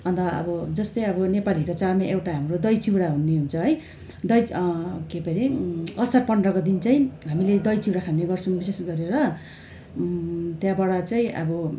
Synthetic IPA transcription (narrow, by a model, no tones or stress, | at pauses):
ʌnt̪ʌʌ̰bʌd͡zʌst̪ʌjʌbʌnepalikot͡sarmaʔewʈaɦamrod̪ʌjt͡siwɽaɦunːeɦunt͡sʰʌɦʌj | d̪ʌjkepʌɾeʌsʌrpʌnrʌkod̪int͡saĩɦamiled̪ʌjt͡siwɽakʰanːeɡʌrt͡sʰunbisesɡʌɾeɾʌ | t̪jãbaɽat͡saĩʔʌ̰bʌ